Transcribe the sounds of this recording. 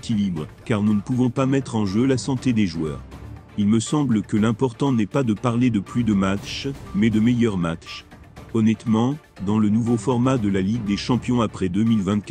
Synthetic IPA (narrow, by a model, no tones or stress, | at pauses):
kʲilibʁkaʁnunəpuvɔ̃pamɛt̪χɑ̃ʒølasɑ̃t̪ed̪eʒwœːʁ | ilməsɑ̃bləkəlɛ̃pɔʁt̪ɑ̃nɛpad̪əpaʁled̪əplyd̪əmatt͡ʃmɛd̪əmɛjœʁmatt͡ʃ | ɔnɛt̪mɑ̃ | d̪ɑ̃lənuvofɔʁmad̪əlaliɡ̚d̪eʃɑ̃pjɔ̃apχɛd̪əmilvɛ̃t̪̚k